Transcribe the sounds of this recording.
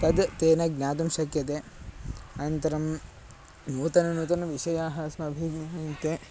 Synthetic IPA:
t̪ɐd̪t̪eːnɐɡnʲaːt̪̬ɐmʃɐkjɐt̪̬e | ɐnt̪ɐɾɐm | nuːt̪ɐnɐnuːt̪ɐnɐʋiʃɐjaːɦɐsmɐbʱiɡnaːint̪e

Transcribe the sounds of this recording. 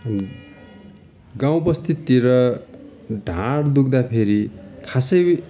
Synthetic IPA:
ɡãw̃pʌst̪ʰit̪ːiɾʌ | ɖʱãɽd̪ukd̪apʰeɾikʰasʌj

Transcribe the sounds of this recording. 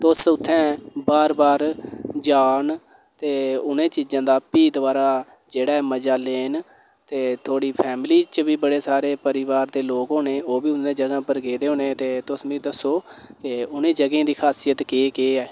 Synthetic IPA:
t̪ʊsʊt̪ʰːɛ̃ːbaːɾbaːɾd͡ʒaːn | t̪eːʊnẽːt͡ʃiːd͡ʒãːd̪aːpiːd̪ʋaːɾaː | d͡ʒeːɽaːɛːməd͡ʒaːleːn | t̪eːt̪ʰoːɽiːpʰɛːmliːt͡ʃʋiːbəɽeːsaːɾeːpəɾiʋaːɾd̪eːloːkɦoːneːoːbiːʊnẽːd͡ʒəɡãːpəɾɡeːd̪eːɦoːneːt̪eːt̪ʊsmĩːd̪əsːoːkɪʊnẽːd͡ʒəɡẽːd̪iːkʰaːsijət̪keːkeːɛː

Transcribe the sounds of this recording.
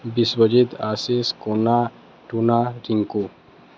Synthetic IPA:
biswɐd͡ʒit̪aːsiskona | ʈunaɾiŋku

